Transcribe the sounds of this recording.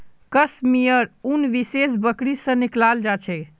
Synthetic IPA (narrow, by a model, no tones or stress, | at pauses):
kəsmijəɾunʋises̬bəkɽisə̃niklald͡ʒat͡ʃʰɛ